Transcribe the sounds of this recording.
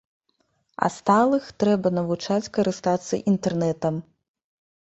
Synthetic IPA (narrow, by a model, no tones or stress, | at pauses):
ɐ̰st̪alˠɨxt̪ɾɛbɐnɐvut͡ʂat͡sʲkɐɾɨst̪at̪sɐ̰ʔint̪ɛrnɛt̪ɐm